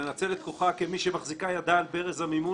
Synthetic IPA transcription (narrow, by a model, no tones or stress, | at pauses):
enat͡se̞let̪koχakemiʃemaχzikajad̪aːlbeʁezamimu